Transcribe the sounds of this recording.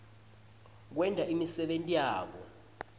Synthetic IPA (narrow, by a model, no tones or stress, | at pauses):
k̬wɛndʱaʔimisɛɓentʼijaːk̬ɔ̰